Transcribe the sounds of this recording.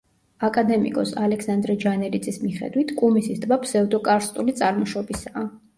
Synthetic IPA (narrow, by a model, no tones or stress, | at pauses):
akʼad̪ɛmḭkʼɔsalɛkʰsand̪ɾɛd͡ʒanɛlid̪zʼismiχɛ̰d̪wit̪ʰkʼumisist̪ʼbapʰsɛud̪ɔkʼaɾst̪ʼulit̪sʼaɾmɔʃɔbisaː